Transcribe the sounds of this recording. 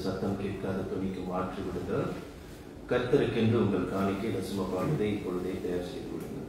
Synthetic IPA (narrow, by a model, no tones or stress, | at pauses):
sɐt̪ːɐmkeːʈ̚kaːðɐt̪ʊɳɪkːɯmaːʈriʋɪɽɯŋɡ̪ɐ | kɐɾt̪ːɐɾɯkːɪɳdrɯʊŋɡɐɭkaːɳɪkːɯlɐsɐmɐpːaːnɐðɐɪɪpːɔɻɯðeːt̪ɐjaːɾsɛjðɯ̰ʋɪ̰ɽɯ̰ŋɡ̪ɐ̰